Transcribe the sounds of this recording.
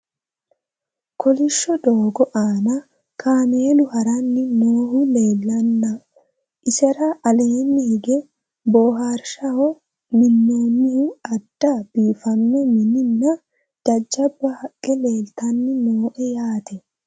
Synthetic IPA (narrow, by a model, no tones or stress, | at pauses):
kɔlɪʃːɔd̪oːɡɔʔaːnɐ | kʰaːmeːlʊhɐɾɐnːɪnoːhʊle̞ːlːɐnːɐ | ʔɪsɛɾɐʔɐleːnːɪhɪɡɛ | boːɦaːɾʃɐhɔ | mɪnːoːnːɪhʊɐd̪̥ːɐb̥iːfɐnːɔmɪnɪnːɐ | d͡ʒ̥ɐd͡ʒːɐbːɐhɐkʼːɛle̞ːlt̪ɐnːɪnoːʔɛjaːt̪ɛ